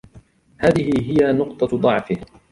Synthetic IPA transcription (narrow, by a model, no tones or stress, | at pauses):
haːðɪhɪɦɪjanʊqt̪ˤɑd̪ˤɑʕfɪh